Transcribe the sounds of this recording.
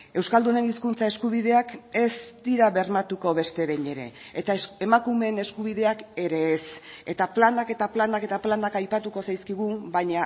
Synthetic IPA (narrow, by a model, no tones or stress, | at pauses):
e̞wskald̪une̞niskunt͡sae̞skuβ̞ið̞e̞ake̞zd̪iɾaβe̞rmat̪uko̞βe̞st̪e̞βe̞ɲe̞ɾe̞̰ːt̪ae̞makume̞ne̞skuβ̞iðe̞ake̞ɾe̞ːse̞t̪aplanake̞t̪aplanake̞t̪aplanakajpat̪uko̞sajskiɣ̞ubajɲa